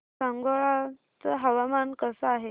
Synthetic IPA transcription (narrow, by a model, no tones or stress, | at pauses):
sãŋɡoɭa | t͡səɦəʋamankəsəaɦe